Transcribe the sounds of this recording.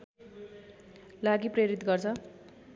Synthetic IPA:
laɡipreɾit̪ɡʌrt͡sʰʌ

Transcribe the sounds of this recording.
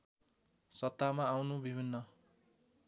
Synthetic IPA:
sʌt̪ːamaːwnubibʱinːʌ

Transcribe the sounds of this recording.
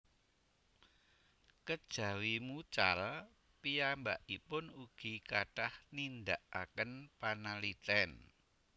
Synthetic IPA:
kəd̥ʒ̥ä̤wimut͡ʃal | pijambaʔipʊnuɡ̥i̤kaɖ̥ahnind̪aʔakənpanalit̪ɛn

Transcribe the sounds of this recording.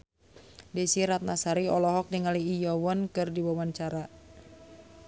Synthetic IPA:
dɛsiɾat̪̚nasaɾiɔlɔɦɔk̚diŋaliːjɔwɔnkɨrdibawant͡ʃaɾa

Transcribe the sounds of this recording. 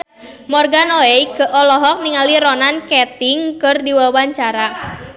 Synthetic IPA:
mɔrɡanoekəʔɔlɔɦɔk̚niŋaliɾɔnankɛt̪ɪŋkɨrdiwawaɲt͡ʃaɾa

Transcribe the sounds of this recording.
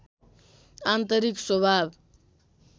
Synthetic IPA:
ant̪əɾiksobʱab

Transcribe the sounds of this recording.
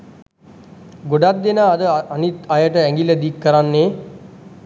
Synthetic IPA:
ɡoɖat̪̚d̪enaːd̪əanit̪ajəʈəæŋɡiləd̪ikːəɾanːeː

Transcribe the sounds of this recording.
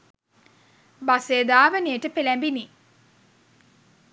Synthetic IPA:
baseːd̪aːʋəneːʈəpelæmbini

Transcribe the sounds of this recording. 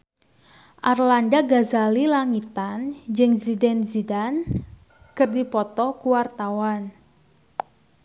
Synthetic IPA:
ʔarlandaɡazalilaŋit̪and͡ʒɨŋzidɛnzidan | kɨrdipɔt̪ɔkuwart̪awan

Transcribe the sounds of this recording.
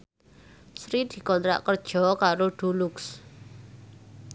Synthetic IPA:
sɾid̪̥i̤kɔnt̪ɾa̰ʔkərd̥ʒ̥ɔ̤kaɾoɖ̥ṳlʊks

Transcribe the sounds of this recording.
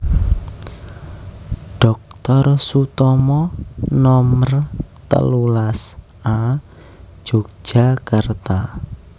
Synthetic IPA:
ɖ̥ɔk̚t̪ɔrsut̪ɔmɔnɔmərt̪ə̰lulas | ḁ | d͡ʒ̥ok̚ʒ̥a̤kart̪a

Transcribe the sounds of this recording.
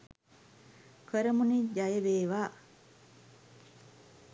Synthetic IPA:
kʰəɾəmunid͡ʒajəʋeːʋaː

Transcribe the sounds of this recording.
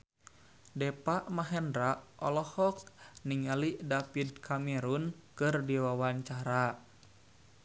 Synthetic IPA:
dɛpaʔmaɦɛndɾaʔʔɔlɔhɔkniŋaliʔdapid̪̚kʰamɛɾunkɨrdiwawaɲt͡ʃaɾa

